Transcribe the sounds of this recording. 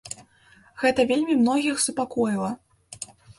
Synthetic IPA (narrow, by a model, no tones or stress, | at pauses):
ɣɛt̪ɐvʲelʲmʲimnɔɣʲixsupakɔjilˠɐ